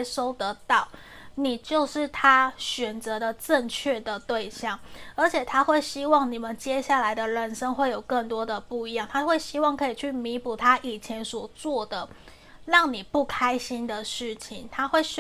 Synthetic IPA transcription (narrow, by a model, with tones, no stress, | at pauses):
ʂo˥ʊt̪ə˧˦t̪ɑ˥˩ʊ | ni˨˩t͡ɕjo˥˧ʊʂɻ̩˥˩t̪ʰa˥ɕɥɛ˨˩nt͡sɤ˧˦d̪ə˨ʈ͡ʂə˥˧ŋt͡ɕʰɥɛ˥˩d̪ə˩t̪we˥˧ɪɕjɑ˥˩ŋə˞˧˥t͡ɕʰjɛ˨˩t̪ʰa˦˥xwe˥˩ɪɕi˥wɑ˥˨˩ŋni˨˩mə˨˦nt͡ɕjɛ˦ɕja˥˩la˧˥ɪd̪ə˧ɻə˧˦nʂə˥ŋxwe˥˩ɪjo˨˩ʊkə˥˩nt̪wɔ˥d̪ə˨pu˥˩i˧˥jɑ˥˩˨ŋt̪ʰa˥xwe˥˩ɪɕi˥wɑ˥˨ŋkʰɤ˧˥i˨˩t͡ɕʰy˥˩mi˧˥pu˨˩t̪ʰa˥˦ʔi˨˩t͡ɕʰjɛ˧˦nswɔ˨˩t͡swɔ˥˩d̪ə˩ | ɻɑ˥˩ŋni˨˩pu˥˩kʰa˥ɪɕi˦nd̪ə˨ʂɻ̩˥˩t͡ɕʰi˨˩ŋt̪ʰa˥xwe˥˩ɪ